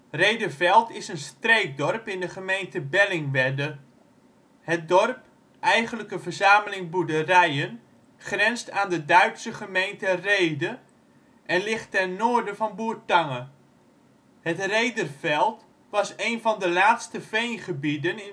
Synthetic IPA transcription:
rejdərvɛlˠtɪsənstrejt̚dɔrpɪndəχəmejntəbɛlɪŋʋɛdə | hət̚dɔrp | ʔɛjχənləkəvəɹzaːməlɪŋbudərɛjən | χrɛnstaːndədœɥtsəχəmejntərejdə | ʔɛnlɪχtɛnoːɹdəvɑnbuːɹtɑŋə | hətrejdərv̥ɛlˠt | ʋɑsejnvɑndəlaːtstəvejnχəbidənɪn

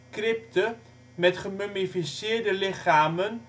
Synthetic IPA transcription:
krɪp̚tə | mɛtχəmømifisɪːɹdəlɪχaːmən

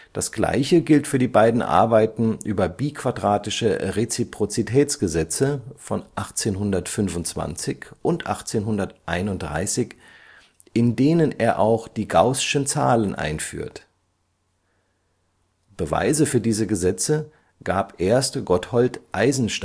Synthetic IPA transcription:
d̥asɡ̥la̰ɪçəɡɪltfyːɐdiːbaɪdn̩ʔa̰ɐbaɪtn̩ʔy̰ːbɐbiːkv̥adʁaːtɪʃəʁet͡sipʁ̥ot͡sitʰɛːt͡sɡ̥əzɛt͡səfɔnʔaχt͡seːnɦʊndɐtfʏnvʊntt͡sv̥a̰nt͡sɪçʔʊntʔa̰χt͡seːnɦʊndɐtʔaɪnʊnt̚d̥ʁa̰ɪsɪç | ʔɪndeːnəneːɐʔaʊxd̥iːɡaʊsɪ̥ʃənt͡sa̰ːlənʔa̰ɪnfy̰ːɐt | b̥əva̰ɪzəfyːɐdiːzəɡəzɛt͡sə | ɡ̥aːpʔeːɐstɡ̥ɔthɔltʔaɪzn̩ʃt

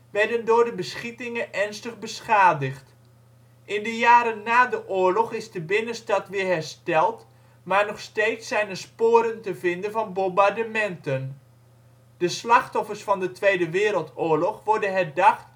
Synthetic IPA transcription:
ʋɛɹdəndʊːɹdəbəsχitɪŋənʔɛɹnstəχbəsχaːdəχt | ʔɪndəjaːɾənːaːdəʔʊːɹlɔχɪzdəbɪnəstɑtʋɪːɹɦɛɹstɛlˠt | maːɹnɔχstejtsɛjnəspoːɾəntəvɪndənvɑnbɔmbaɹdəmɛntən | d̥əslɑχtɔfərsfɑndətʋejdəʋɪːɾəlˠtʊːɹlɔχʋɔɹdənɦɛɹdɑχt

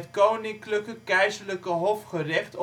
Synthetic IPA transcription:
tkownɪŋkləkəkɛjzəɹləkəɦɔfχərɪχt

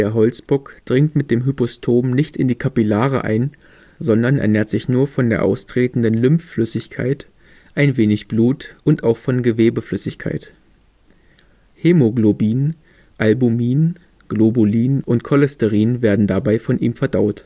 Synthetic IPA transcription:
d̥eːɐɦɔlt͡sb̥ʊkd̥ʁɪŋtmɪt̚d̥eːmɦypɔstʰoːmnɪçtɪndiːkʰapilaːʁə̰ʔa̰ɪn | zɔndɐnʔɛ̰ɐneːɐtz̥ɪçnuːɐfɔndeːɐʔa̰ʊstʁ̥eːtn̩dənlʏmfːlʏsɪçkʰa̰ɪt | ʔaɪnveːnɪçb̥luːtʔʊntaʊxfɔnɡəveːbəflʏsɪçkʰa̰ɪt | heːmoɡlobiːn | ʔalbumiːn | ɡ̥loboliːnʊntkʰɔlɛstəʁiːnveːɐdn̩dabaɪfɔnʔiːmfɛɐdaʊt

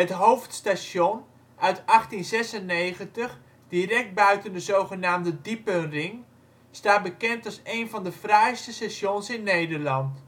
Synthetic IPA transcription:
ɦətɦowftstason | œɥtɑχtinzɛsənːejχəntəχ | d̥irɛk̚t̚bœɥtəndəzowχənaːmdədipənrɪŋ | staːt̚bəkɛntɑlˠsejnvɑndəfrɛjstəsɛʃjonsɪnːejdəɹlɑnt

